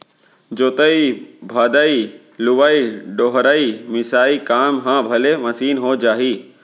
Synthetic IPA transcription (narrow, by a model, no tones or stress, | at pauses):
d͡ʒoːt̪əibʱad̪ai | lʊʋaːiɖoːɦɾaːimɪsaːikaːmɦãːbʱɐlemɐsiːnɦoːd͡ʒaːɦiː